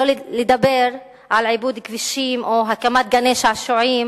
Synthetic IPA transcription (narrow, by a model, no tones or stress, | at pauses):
oled̪abeʁ | ʕalʕibud̪kviʃimʔoɦakamat̪̚ɡaneʃaʃoʕim